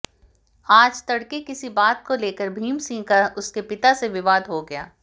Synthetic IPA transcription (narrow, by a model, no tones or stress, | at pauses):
aːd͡ʒt̪ɐɽkekɪsibaːt̪̚koleːkəɾbʱiːmsĩːkaʊskepɪt̪aseʋɪʋaːd̪ɦoɡɐja̰ː